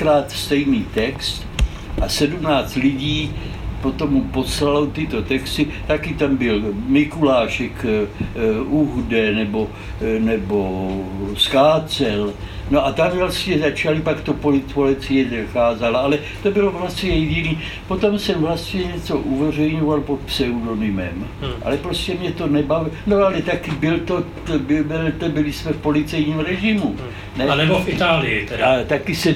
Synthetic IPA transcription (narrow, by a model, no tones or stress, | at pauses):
kɾaːt̪st̪ɛjniːt̪ɛkst̪ | ʔasɛdumnaːt͡st̪lɪɟiːpo̞t̪o̞mːupo̞slalot̪ɪt̪o̞t̪ɛkst̪ɪt̪akɪt̪ambɪlmɪkulaːʃɛk | uɦdɛnɛbo̞ | nɛbo̞skaːt͡sɛl | no̞ʔat̪amvlast̪ɲɛzat͡ʃalɪpakt̪opolɪtpolɪt͡sɪjɛzaxaːzalaalɛ | t̪obɪlovlast̪ɲɛjɛɟɪniː | po̞t̪o̞msɛmvlast̪ɲɛɲɛt͡so̞ʔuvɛr̝ɛjɲovalpot̪̚psɛudo̞nɪmɛ̰mʔa̰lɛpɾoscɛmɲɛt̪o̞nɛbavɪno̞alɛt̪akɪbɪlt̪o | bɪbɛlt̪obɪlɪsmɛfpo̞lɪt͡sɛjɲiːmɾɛʒɪmu | nɛnɛbofɪt̪aːlɪɪat̪akɪsɛ